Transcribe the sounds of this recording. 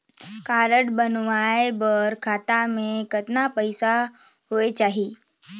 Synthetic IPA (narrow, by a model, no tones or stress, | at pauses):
kaːɾəɽbənʋaːebəɾkʰaːt̪amẽkət̪napəɪsahoet͡ʃaːɦieː